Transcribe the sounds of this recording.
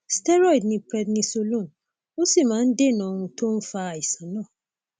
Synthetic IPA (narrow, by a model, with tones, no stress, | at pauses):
stɛ˦ɾɔ˦i˨dnĩ˧pɾɛ˧dnĩ˧so˧lo˦˨n | o˦si˦˨mãː˨˦n̩˦de˦˨nã˨˧ɾ̃ũ˧to˦n̩˦fa˧˨i˨sã˨˦nãː˦˨